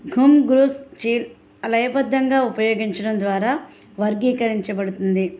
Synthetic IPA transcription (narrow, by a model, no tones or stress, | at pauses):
ɡʱumɡɾuːst͡ʃiːl | ɐlɐjɐbɐd̪ːɐŋɡaːupɐjo̞ːɡiɲt͡ʃɐɽɐnd̪ʋaːɾaː | ʋɐɾɡiːkɐɾiɲt͡ʃɐbɐɽut̪und̪i